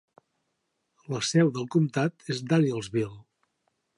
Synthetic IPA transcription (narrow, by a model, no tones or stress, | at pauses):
ləsɛwðəlˠkumt̪at̪ezd̪aniəlˠzβilˠ